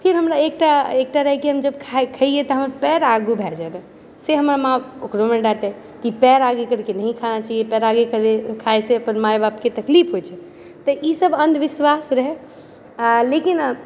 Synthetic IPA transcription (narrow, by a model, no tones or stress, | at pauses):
pʰiɾɦəmɾaek̚ʈaek̚ʈaɾəɦɛkiɦəmd͡ʒəbkʰakʰəiet̪ɔɦəmɾpɛɾaɡubʱɛd͡ʒɛnə̃ | seɦəmɾamãukɾomeɖaʈɛ | kipɛɾaɡekəɾkenəɦĩkʰanat͡ʃaɦiepɛɾaɡekəɾekʰajseəpənmajbapket̪əklipʰɦot͡ʃʰɛ | t̪əʔisəbənd̪ʋiswasɾəɦɛ | lekin